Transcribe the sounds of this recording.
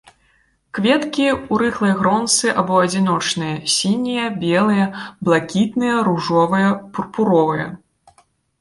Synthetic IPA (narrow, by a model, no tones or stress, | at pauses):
kvʲɛt̪kʲiuɾɨxlˠɐjɐɣɾɔnt̪sɨʔabɔɐd͡zʲinɔt͡ʂnɨjɐsʲinʲijɐbʲɛlˠɨjɐblˠakʲit̪nɨjɐɾuʐɔvɨjɐpurpuɾɔvɨjɐ̰